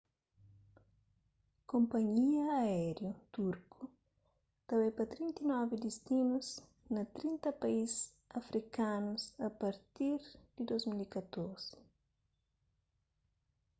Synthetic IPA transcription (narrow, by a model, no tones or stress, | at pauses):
kõmpɐɲiɐɛɾjut̪uɾkʰu | t̪ɐwɛpɐt̪ɾint̪inɔvid̪ist̪imuz | nɐt̪ɾĩnt̪ɐpɐizs | ɐfɾʔikanusɐpɐɾt̪iɾd̪̥ɪd̪ozmilikɐt̪oɾz̥ɪ̥